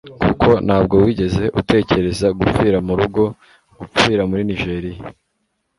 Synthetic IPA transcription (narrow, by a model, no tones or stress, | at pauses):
kuko̞nhaːb̚ɡo̞wiɟe̞ze̞ʔute̞ːce̞ɾe̞zaɡup͡fiːɾamuɾuɡo̞ | ɡufiːɾamuɾiniʒe̞ːɾija